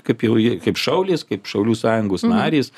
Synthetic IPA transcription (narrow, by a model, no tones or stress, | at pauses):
kɐɪpjɛʊjɪkɐɪpʃɐʊlʲeːskɐɪpʃɐʊlʲuːsɑːjʊŋɡoːsnɑːɾʲeːs